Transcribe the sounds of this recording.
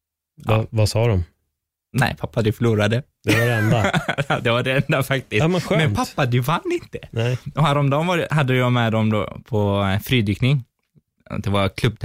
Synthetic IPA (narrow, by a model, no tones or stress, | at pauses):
va̰vasɑːd̪ɔm | nɛ̰ɪpʰapːad̪ɵfœɭuːɾad̪ə | d̪ɛvaɾɛɛnd̪ad̪ɛvaɖɛɛnd̪afak̚t̪ɪsɑmɛɧmɛnpʰapːad̪ʉvanːɪnt̪ə̥nɛɔɦæɾɔmd̪ɔmvaɾhad̪ːəjɑmɛd̪ɔmd̪o̰ːpʰɔfɾiːd̪yːknɪŋ | ɔ̰d̪ɛvaɾkʰlɵb̪̚